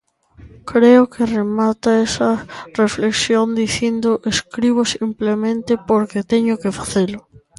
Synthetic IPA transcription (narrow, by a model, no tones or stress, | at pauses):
kɾeʊkʰeremat̪aesɐrefleksjond̪iθind̪ʊʔeskɾiβosimplemẽnt̪ɪpoɾket̪eɲʊkefḁθelʊ